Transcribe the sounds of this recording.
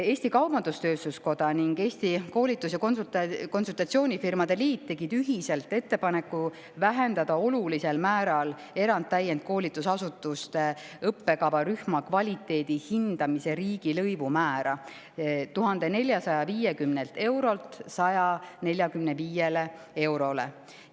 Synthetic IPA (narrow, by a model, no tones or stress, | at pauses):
e̞ːsʲt̪ikɑwbɑnd̪̥ust̪ø̞ːst̪usko̞d̪ɑniŋɡe̞ːst̪iko̞ːlʲit̪ːˑusjɑkonsut̪ko̞nsult̪ɑt̪sio̞ːnʲifirmɑd̪̥e̞liːt̪̚t̪ːe̞ɡ̥id̪yɦise̞lt̪ːˑe̞t̪ːe̞pɑnekːˑu | væɦe̞nd̪ɑd̪̥ɑo̞lulise̞lmæːɾɑl | e̞ɾɑnd̪̚t̪ːæjːend̪̥̚ko̞ːlʲit̪ːˑusɑsut̪ːˑust̪e | ɤpːe̞kɑbɑɾyhmɑkvɑlʲit̪ːˑe̞ːd̪̥ihind̪̥ɑmise̞ɾiːɡ̥ilɤjvumæːɾɑ | t̪uɦɑnd̪̥e̞ne̞lʲjɑsɑjɑviːjekymnelt̪e̞wɾo̞lt̪sɑjɑne̞lʲjɑkymneviːjele | e̞wɾo̞le̞̰